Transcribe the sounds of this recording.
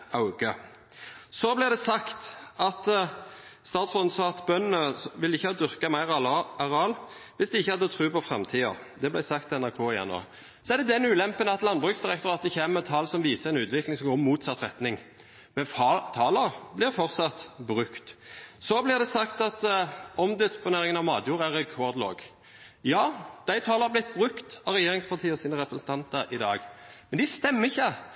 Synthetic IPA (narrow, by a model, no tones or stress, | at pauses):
ɑʊɡə | sɔblɪʁd̪ɛsɑkt̪ɑt̪ | st̪ɑːt̪sʁɔnsɑt̪bœnəʋɪlɪçːəhɑːd̪ʏʁkɑmæɪʁɑʁɑːl | ʋɪsd̪ɛɪçːəhɑd̪ːət̪ʰʁʉːpʰɔfʁɛmt̪ʰiːə̰ʁ | d̪ɛblæɪsɑkt̪ɛnæʁkʰoːɪjæ̰ʁno̰ | sɔɛʁd̪ɛd̪ɛnːʉːlɛmpənəɑt̪lɑnbʁʉksd̪ɪʁɛkt̪ʊɾɑːt̪̚d̪ɛçeːmət̪ʰɑːlsɔmʋiːsəʁɛnʉːt̪ʋɪklɪŋsɔmɡoːmuːt̪sɑt̪ːʁɛt̪nɪŋ | mɛnft̪ʰɑːləɾblɪɾfɔʁt̪sɑt̪bɾʉkt̪sɔblɪʁd̪ɛsɑkt̪ɑt̪ɔmd̪ɪspʊneːɾɪŋənɑʋmɑːd̪juːʁəæɾɛkʰɔːɾd̪lo̰ːɡ | jɑːd̪̥æɪt̪ʰɑːləɑblɪt̪̚ːbʁʉkt̪ɑɾɛjeːɾɪŋspɑʁt̪ʰiːɔsiːnəʁɛpɾəsn̩t̪ʰɑnt̪əɾɪd̪ɑːɡmɛnd̪ɪst̪ɛmːəɪçːə